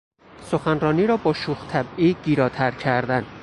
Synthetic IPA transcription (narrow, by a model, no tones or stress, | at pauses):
soxænɾɒːniːɾɒːbɒːʃuːxt̪ʰæbiːɡiːɾɒːt̪ʰæɾcʰæɾd̪æn